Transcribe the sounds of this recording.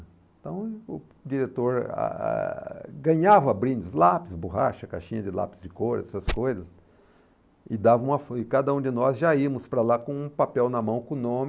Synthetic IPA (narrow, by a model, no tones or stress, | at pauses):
ẽt̪ɐ̃w̃ʊ | d͡ʒiɾet̪oɾa̰ɡɐ̃ɲavɐbɾĩnd͡ʒ̪ɪslapɪsbuɦaʃɐka̰ʃĩɲɐd͡ʒɪla̰pɪzd͡ʒɪkoɾɛsɐskojzɐs | ɪd̪avɐũmɐfɪkad̪ɐũd͡ʒɪnɔzʒaiɐmʊspɾɐlakõũpapɛwnɐmɐ̃w̃kõnõmɪ